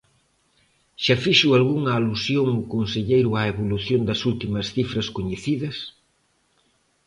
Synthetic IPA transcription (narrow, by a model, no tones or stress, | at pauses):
ʃafiʃualɣuŋɐːlusjoŋukonseʎejɾʊaeβoluθjond̪ɐsult̪imɐsθifɾɐskoɲeθiðɐs